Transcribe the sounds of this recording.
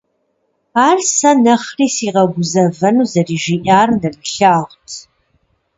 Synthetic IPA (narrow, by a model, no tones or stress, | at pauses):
aːrsɐnɐχriːsiːʁɐɡʷʊzɐvɐnuːzɐriːʒiːʔaːrndɐbɬaːʁʷtʰ